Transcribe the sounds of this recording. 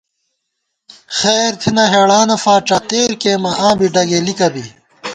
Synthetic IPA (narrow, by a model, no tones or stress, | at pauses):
xeːɾt̪ʰinɐɦeːɽaːnɐfaːʈ͡ʂɐt̪eːɾkeːmɐʔãːbiɖɐɡelikɐbi